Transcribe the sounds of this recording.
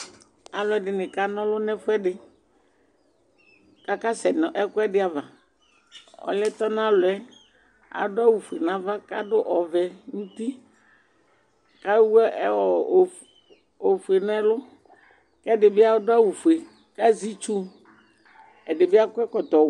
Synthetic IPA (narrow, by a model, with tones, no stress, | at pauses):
a˨lʊ˨ɛ˨dɪ˨nɪ̃˨ka˦nɔ̃˦lʊ˦nɛ̃˦fʊ˦ɛ˦dɪ˨ | ka˦ka˦sɛ˨nɔ˨ʔɛ˦kʊ˦ɛ˦dɪ˦a˨va˨ | ɔ̰˨lɛ˦t̪ɔ˦nã˦lʊ˨ɛ˦ | a̰˨˦da˦wu˨fu˨e˨nã˦va˦ka˦dʊ˦ʔɔ˨vɛ˨ŋũ˦t̪i˦ | ka˦wu˦ɛ˦ɛ˦wɔ˨ | o˨fu˨e˨nɛ˦lʊ˦ | kɛ˦dɪ˨bɪ˦a˦dʊ˦a˦wu˨fu˨e˨ | ka˦zi˦t͡ʃu˦ | ɛ˨dɪ˨bɪ˦a˦kʊ˦ɛ˦kɔ˨t̪ɔ˨